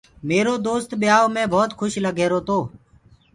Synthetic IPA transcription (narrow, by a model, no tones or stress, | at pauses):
meːɾoːd̪oːst̪ɓɪjaːoːmẽːbʱɔːt̪xʰʊʃləɡʱeːɾoːt̪oː